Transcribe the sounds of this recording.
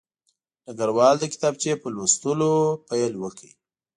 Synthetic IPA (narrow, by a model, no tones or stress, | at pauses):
nəɡaɾwɑld̪əkɪ̥t̪ɑb̚t͡ʃepəlost̪əlopajlwəki